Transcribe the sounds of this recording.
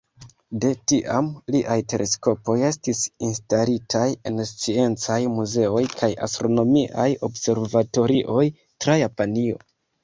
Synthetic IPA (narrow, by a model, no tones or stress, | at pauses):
de̞tiʔamliʔajte̞lʔe̞sko̞po̞je̞stisinstalitʰaje̞nst͡sie̞nt͡sajmuze̞o̞jkʰaja̰stɾo̞no̞miʔajo̞bse̞ɾvato̞ɾiʔo̞j | tɾajapanio̞̰